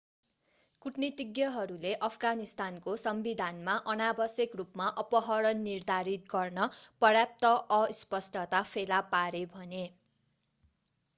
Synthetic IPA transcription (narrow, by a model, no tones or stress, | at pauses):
kuʈnit̪iɡjʌɦʌɾuleʔʌpʰɡanist̪ankosʌmbid̪ʱanmaʔʌnabʌsjʌkrupmaʔʌpʌɦʌɾʌnːird̪ʱaɾit̪̚ɡʌrnʌpʌrjap̚t̪ʌʔʌispʌsʈʰʌt̪apʰelapaɾebʱʌne